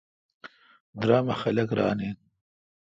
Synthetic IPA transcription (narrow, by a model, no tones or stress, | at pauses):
d̪ɾɑːmaxalɐkɾɑːnen